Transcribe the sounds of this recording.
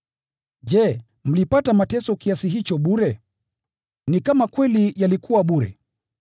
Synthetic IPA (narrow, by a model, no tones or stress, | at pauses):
d͡ʒɛ | m̩lipatamatɛsɔkiasiɦit͡ʃɔɓuɾɛ | nikamakwɛlijalikʰuwaɓuɾɛ̰